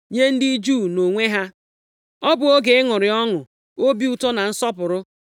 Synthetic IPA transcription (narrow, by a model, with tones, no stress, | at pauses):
ɲe˦n̩˦dɪ˦d͡ʒu˦˨no˨ŋʷe˦ɦa˦ | ɔ˦bʊ˨o˦ɡe˨ɪ˦ŋʊ˨ɾɪ˨ɔ˦ŋʊ˨ | o˦bi˦u˨tɔ˦na˨n̩˦sɔ˦pʊ˨ɾʊ˦